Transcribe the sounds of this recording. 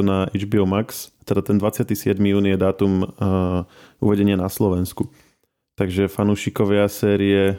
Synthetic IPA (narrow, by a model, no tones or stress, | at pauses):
naʔɛd͡ʒbiɔmakst̪ɛd̪at̪ɛnd̪ʋat͡sɪat̪isɪɛd̪mijuːnijɛd̪aːt̪um | ṵʋɛɟɛɲɪanaslɔʋɛnsku | t̪aɡʒɛfanuːʃikɔʋɪasɛːɾiɛ